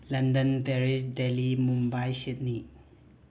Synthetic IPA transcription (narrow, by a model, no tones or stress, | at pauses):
lɐndənpeɾisdelimumbajsit̚ni